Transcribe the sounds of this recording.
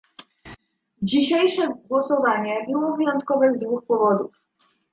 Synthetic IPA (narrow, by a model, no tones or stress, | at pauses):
d͡ʑiɕejʂɛɡwɔsɔvaɲɛbɘwɔvɘjɔnt̪kɔvɛzd̪vuxpɔvɔd̪uf